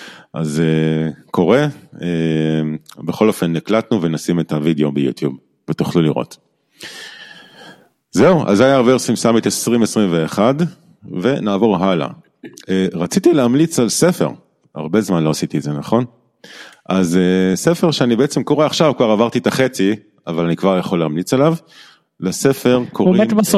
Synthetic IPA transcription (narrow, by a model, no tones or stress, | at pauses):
ʔa̰zeko̞ʁe̞e | beχo̞lo̞fe̞nːiklatnuvenasimetavideo̞bejṵt̪jub | vetuχluliʁo̰t | zeuʔa̰zajaːʁbetsimsamet̪esʁimesʁimveːχad | ve̞naːvo̞ʁɦala̰ | eʁat͡sit̪ileamlit͡salsefe̞̰ʁ | ha̰ʁbe̞zmanloasit̪iezenaχo̞n | ʔazese̞feʁʃeanibeet͡se̞mko̞ʁeaχʃavkvaʁavaʁt̪it̪aχet͡si | avalanikvaʁjaχo̞leamlit͡salav | lese̞fe̞ʁkʰoʁimb